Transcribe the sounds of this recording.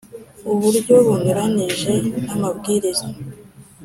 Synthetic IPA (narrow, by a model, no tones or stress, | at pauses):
uβuɾɟoβunuɾaniʒe̞namabɡiːɾizo